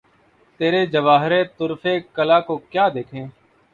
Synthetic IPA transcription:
t̪eːɾeːd͡ʒəʋaːɦɾẽːt̪ʊɾfeːkəlaːkoːkjaːd̪eːkʰẽː

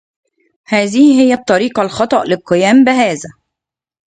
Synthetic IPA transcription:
hæːðihhɪjːæb̚t̪ˤːɑɾiːqɑlxɑt̪ˤɑʔlɪqejæːmbɪɦæːzæ

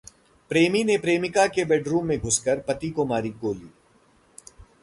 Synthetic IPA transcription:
pɾeːminepɾeːmɪkakebɛːɖɾuːmːẽɡʱʊskəɾpɐt̪ikomaːɾikoːliː

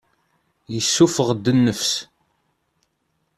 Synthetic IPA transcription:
jəsːufəʁd̪ːənːəfs

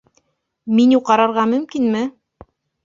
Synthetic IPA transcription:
minuwqɑɾɑɾʁɑmɵ̆mkinmɘ

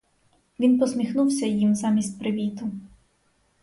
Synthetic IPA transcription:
ʋʲinpɔsmʲixnuwsʲɐjimzɑmʲisʲt̪̚ʲpɾɪʋʲit̪ʊ

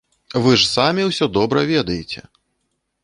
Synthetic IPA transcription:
vɨʐsamʲiwsʲɔd̪ɔbɾɐvʲɛd̪ɐjet͡sʲɛ

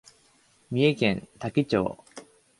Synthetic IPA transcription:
mʲie̞kẽ̞nt̪akʲit͡ɕo̰ː

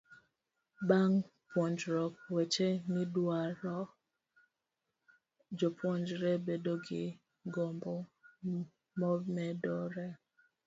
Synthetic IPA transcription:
baŋpwɔɲd͡ʒɾɔk̚wet͡ʃenɪdwaɾɔ | d͡ʒopwɔnd͡ʒɾebedoɡɪ | ɡombo | mɔmɛdoɾɛ

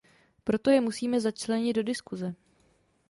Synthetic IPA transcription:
pɾo̞t̪o̞jɛmusiːmɛzat͡ʃlɛɲɪd̪do̞dɪskuzɛ

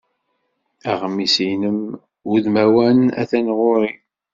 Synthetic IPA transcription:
æʁmːisijnəm | uðmæwænæ̰θænʁʊɾi

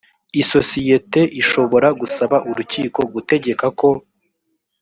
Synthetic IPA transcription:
iso̞sije̞te̞ʔiʃo̞βo̞ɾaɡusaβaʔuɾuciːko̞ɡute̞ɟe̞kako̞

